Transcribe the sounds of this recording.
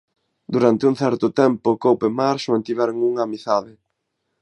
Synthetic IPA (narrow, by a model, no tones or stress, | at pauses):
d̪uɾant̪ɪuŋ̟θɛɾt̪ʊt̪ɛmpʊkowpemaɾʃʊãnt̪iβɛɾoŋuŋaːmiθaðɪ